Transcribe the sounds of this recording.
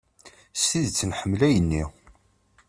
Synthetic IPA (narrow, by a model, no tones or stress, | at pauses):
siðt͡sːənħəmːlæjənːi